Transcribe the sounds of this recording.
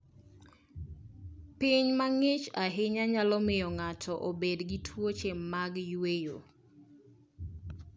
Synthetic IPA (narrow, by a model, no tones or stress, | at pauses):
piɲmaŋɪt͡ʃaɦɪɲaɲalɔmɪjɔŋatʰɔʔobedɡitʰwot͡ʃemmaɡjwejo̰